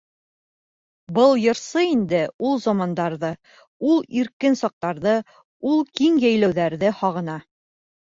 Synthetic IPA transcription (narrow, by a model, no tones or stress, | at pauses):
bɤlˠjɤ̆ɾsɤind̪ɘulˠzɑmɑnd̪ɑɾðɤ | ulˠiɾkɘnsɑq̚t̪ɑɾðɤ | ulˠkiŋjæjlæwðæɾðɘhɒʁɤ̆nɑ